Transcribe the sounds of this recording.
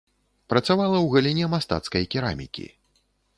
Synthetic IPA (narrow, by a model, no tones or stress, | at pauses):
pɾɐt̪savalˠɐwɣɐlʲinʲɛmast̪a̰t̪skɐjkʲiɾa̰mʲḭkʲḭ